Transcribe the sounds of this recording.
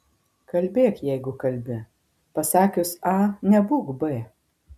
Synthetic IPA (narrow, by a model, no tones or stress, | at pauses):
kɐlʲbʲeːkjɛɪɡʊkɐlʲbʲɪ | pɐsɑːkʲʊsɑnʲɛbuːɡbɛː